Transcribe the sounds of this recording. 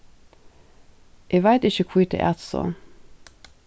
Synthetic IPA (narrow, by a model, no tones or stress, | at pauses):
ʔeːʋæɪt̪ɪçəkʰwiːt̪ə̰ʔæt̪sɔ̰